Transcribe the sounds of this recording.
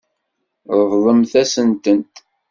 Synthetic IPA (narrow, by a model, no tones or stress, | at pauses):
ɾˤəvðˤəmθæsənt̪ənt̪